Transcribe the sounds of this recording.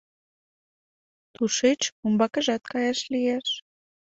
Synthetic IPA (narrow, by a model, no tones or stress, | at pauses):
t̪uʃet͡ɕumbɑkə̆ʒɑt̪̚kɑjɑʃlijeʃ